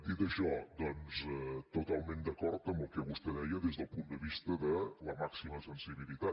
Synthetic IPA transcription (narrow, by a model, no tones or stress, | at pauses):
t̪id̪əʃɔd̪ɔnzɛt̪ut̪alˠmẽnd̪əkɔɾt̪əmbəlˠkɛβust̪eðɛjəðezðəlˠpund̪əβist̪əðələmaksiməsənsiβilit̪a